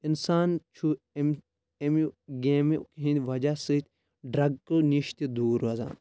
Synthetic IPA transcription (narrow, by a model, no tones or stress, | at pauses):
insaːnt͡ʃʰu | m | emiɡeːmkɦĩnʲʋɐd͡ʒasɨt̪ʲ | ɖɾɐɡkɨniʃt̪id̪uːɾɐza̰ːn